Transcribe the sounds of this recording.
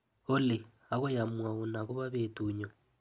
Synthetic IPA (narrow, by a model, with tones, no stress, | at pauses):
ʊ˦lɪ˨ | a˨kʊ˦ja˨mwa˨ʊ˨na˨kʊ˦βa˦βetʼuː˨ɲɔ˨